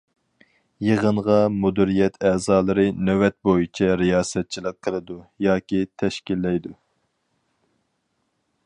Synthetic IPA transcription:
jəʁənʁɑmud̪iɾijɛt̪ʰɛːzɑːlˠɨɾɨnɛwɛt̪̚bojit͡ʃʰɛɾijɑːsɛt̪̚t͡ʃʰilˠəqqʰːəlˠɨd̪ujɑːkʲit̪ʰɛʃkʲilːɛjd̪u

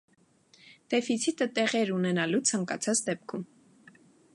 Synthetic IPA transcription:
d̪̥ɛfit͡sʰit̪ət̪ɛʁɛɾunɛnɑlut͡sʰɑŋkɑt͡sʰɑt͡sd̪ɛpkʰum

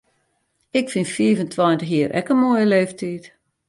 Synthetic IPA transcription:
ɪkfinfiəvəntʰwɔjntəxjiːəɾʔɛ̰kənmoːjəleːftʰiːt

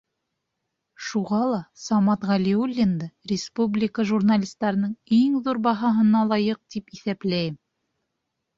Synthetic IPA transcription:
ʃuʁɑlˠɑsɑmɑt̪ʁɑlʲiulʲːɪnd̪ɤrʲɪspublʲɪkəʒurnalʲist̪ɑɾɤ̆nɤɴiŋðuɾbɑɦɑɦɤ̆nɑlˠɑjɤq̚t̪ipiθæplæjɘm

